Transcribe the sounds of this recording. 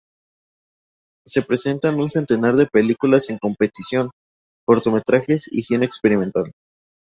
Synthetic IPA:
se̞pɾe̞se̞nt̪anunse̞nt̪e̞naɾðe̞pe̞likulase̞ŋko̞mpe̞t̪isjo̞n | ko̞ɾt̪o̞me̞t̪ɾaxe̞sḭsje̞nekspe̞ɾimẽnt̪al

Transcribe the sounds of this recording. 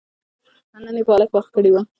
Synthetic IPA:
anənepəɑlakwaxt̪̚kəɽewa

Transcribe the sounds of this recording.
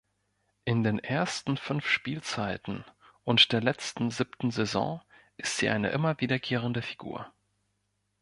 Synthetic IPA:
ʔɪndeːnʔeːɐstn̩fʏnfʃpiːlt͡saɪtn̩ʔʊntd̥eːɐlɛt͡stn̩ziptn̩zezɔ̰̃ːʔɪstz̥iːʔa̰ɪnə̰ʔɪmɐviːdɐkʰeːʁ̞əndəfi̥ɡṵːɐ

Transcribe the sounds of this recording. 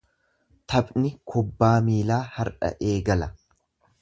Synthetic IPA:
t̪ʰɐbnɪkʰʊbːaːmiːlaːhɐɾᶑɐ̰ʔe̞ːɡɐlɐ

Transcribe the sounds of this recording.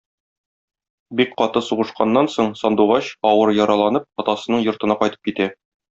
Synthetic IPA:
bikqɒt̪ɤsuʁɤ̆ʃqɑnːɑnsoɴsɒnd̪uʁɑɕɒwɤɾjɒɾɑlˠɑnɤp̚ɒt̪ɑsɤ̆nɤɴjŏɾt̪ɤ̆nɑqɒjt̪ɤ̥p̚kit̪æ

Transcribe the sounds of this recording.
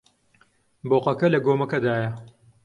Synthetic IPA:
boːqɐkɐlɐɡoːmɐkɐd̪aːjɐ

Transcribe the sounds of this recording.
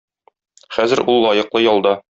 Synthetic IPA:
χæzɘ̆ɾulˠːɒjɤ̆qlˠɤjɒlˠd̪ɑ

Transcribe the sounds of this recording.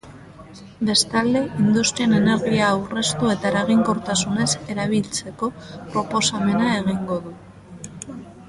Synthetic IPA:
be̞st̪ald̪e̞ind̪ust̪ɾiene̞ne̞ɾɣiaːwre̞st̪ue̞t̪aeɾaɣ̞iŋko̞ɾt̪asune̞se̞ɾaβ̞ilt͡se̞ko̞pɾo̞po̞same̞nae̞ɣ̞iŋɡo̞ðu

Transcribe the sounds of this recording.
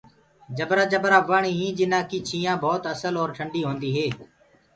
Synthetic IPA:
d͡ʒəbɾaːd͡ʒəbɾaːʋaːɳiːĩːd͡ʒɪnãːkiːt͡ʃʰiːjãːbʱɔːt̪əsəlɔːɾʈʰəɳɖiːɦõːnd̪iːɦeː

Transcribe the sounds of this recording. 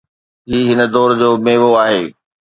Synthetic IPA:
ɦiːɦɪnə̆d̪ɔːɾd͡ʑoːmeːʋoaːɦeː

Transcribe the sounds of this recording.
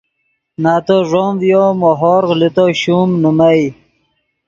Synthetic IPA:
naːt̪oʐomvjomoɦoɾɣlit̪oɕumnumaj

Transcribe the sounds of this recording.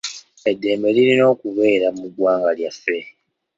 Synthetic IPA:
e̞dːe̞ːmbe̞liɾino̞ːkuβe̞ːɾamuɡwaːŋɡaljafːe̞

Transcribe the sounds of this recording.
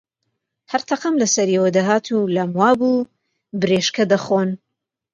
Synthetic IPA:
hɐɾt̪ʰɐqɐmlɐsɐɾiwɐd̪aɦaːt̪ʰulɐmwaːbuː | bɨɾeːʃkɐd̪ɐxoːn

